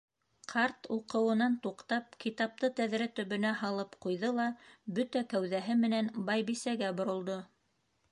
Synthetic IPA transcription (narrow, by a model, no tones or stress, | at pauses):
qʰɑɾt̪uqɤ̆wɤ̆nɑnt̪uqt̪ɑp̚kit̪ɑp̚t̪ɤt̪æðɾæt̪ɵ̆βɵ̆næɦɑlˠɤpqujðɤlˠɑbɵt̪ækæwðæɦɘmɘ̆nænbɑjβisæɡæbŏɾŏlˠd̪o